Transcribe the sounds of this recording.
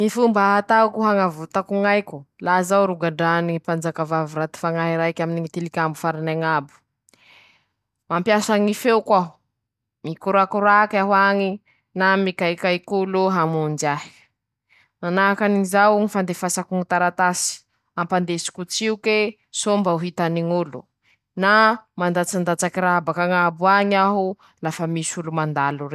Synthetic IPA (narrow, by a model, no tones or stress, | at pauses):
nifumbaɦat̪akuɦaŋavut̪akuŋajkʲulazawɾuɡaɖ͡ʐanipand͡zakavavuɾat̪i̥faŋaɦiɾajkʲaminiŋit̪ilikʲambufaɾinaŋabu̥ | mampjasaŋifewkwaɦu | mikuɾakuɾakaɦwaŋi | namikajkajkuloɦamund͡ʒaɦi̥ | manaɦakaniizawŋifand̪efasakuŋit̪aɾat̪asi̥ | ampand̪esi̥kut͡siuke | sombauɦit̪aniŋulu | namand̪at͡sand̪at͡sakiɾaabakaŋabuaɲaɦu | lafəmisulumand̪alure